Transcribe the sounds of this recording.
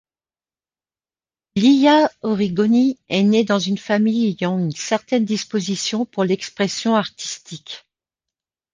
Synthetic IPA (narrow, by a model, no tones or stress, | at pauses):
lijaɔʁiɡɔniɛned̪ɑ̃zynfamijejɔ̃ynsɛʁt̪ɛnd̪ispozisjɔ̃puʁlɛkspχɛsjɔ̃aʁt̪i̥st̪ik